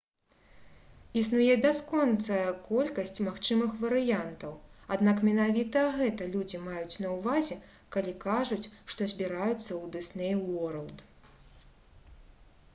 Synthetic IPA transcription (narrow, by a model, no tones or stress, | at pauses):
is̬nujɛbʲaskɔnt̪sɐjɐkɔlʲkɐsʲt͡sʲmaxt͡ʂɨmɨxvɐɾɨjant̪ɐwad̪nakmʲɛnavʲit̪ɐɣɛt̪ɐlʲud͡zʲimajut͡sʲnɐwvazʲɛ | kalʲikaʐut͡sʲʂt̪ɔzʲbʲiɾajut̪sːɐwd̪ɨsnɛjwɔɾɐlˠd̪